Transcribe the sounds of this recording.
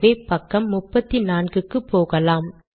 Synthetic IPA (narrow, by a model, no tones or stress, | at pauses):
eːpɐkːɐmːʊpːɐt̪ːinaːnɡɯkːɯpːoːɣɐlaːm